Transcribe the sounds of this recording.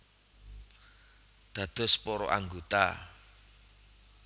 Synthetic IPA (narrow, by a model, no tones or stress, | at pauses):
d̪̥ä̤d̪̥ʊ̤spɔɾɔʔa̰ŋɡot̪a̰